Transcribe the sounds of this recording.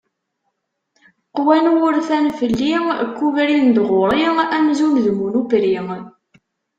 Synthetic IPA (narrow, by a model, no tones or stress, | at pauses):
qwænwʊɾθænfəlːikʷːuvɾind̪ʁoɾˤiæmzunðmunupɾi